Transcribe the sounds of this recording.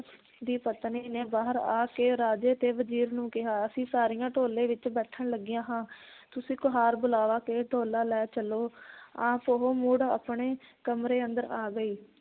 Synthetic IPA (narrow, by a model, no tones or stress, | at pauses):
d̪iːpət̪niːneːbaːɦəɾa̰ːkeːɾaːd͡ʒeːt̪eːʋəd͡ʒiːɾnũːkɪɦaːəsĩːsaːɾijãːʈʰoːlẽːʋɪt͡ʃbɛːʈʰəɳləɡɪjãːɦãːt̪ʊsĩːkʊɦaːɾbʊlaːʋaːkeːʈʰoːlaːlɛːt͡ʃəloːãːpoɦoːmuːɽa̰pɳeːkəmɾeːənd̪əɾaːɡəiː